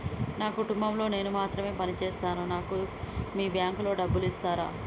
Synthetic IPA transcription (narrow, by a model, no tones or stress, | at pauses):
naːkuʈumbɐmlo̞ːne̞ːnumaːt̪ɾɐme̞ːpɐnit͡ʃɛːst̪aːnunaːkumiːbjaːŋklo̞ːɖɐbːulist̪aːɾa̰ː